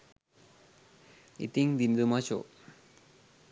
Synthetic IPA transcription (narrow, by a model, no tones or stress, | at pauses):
ḭt̪iŋd̪ind̪umat͡ɕo̰